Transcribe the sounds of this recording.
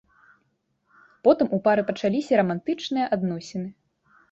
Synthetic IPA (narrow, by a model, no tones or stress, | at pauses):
pɔt̪ɨmupaɾɨpɐt͡ʂalʲisʲɐɾɐmant̪ɨt͡ʂnɨjɐʔad̪nɔsʲeɛnɨ